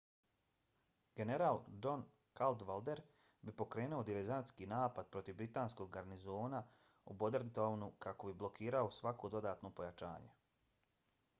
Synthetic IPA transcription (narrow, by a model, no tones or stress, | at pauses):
ɡ̥e̞ne̞ɾaːlˠd͡ʒo̞n | kald̪ʋald̪e̞ɾ | bipo̞kɾe̞ːnuod̪iʋeɾzant̪skiːnaːpad̪̚pɾo̞t̪iʋbɾit̪aːnsko̞ɡɡaɾnizo̞ːna | ubo̞d̪eɾnt̪ownukako̞biblˠo̞kiːɾaosʋako̞d̪o̞d̪aːt̪no̞po̞jat͡ʃa̰ːɲe̞̰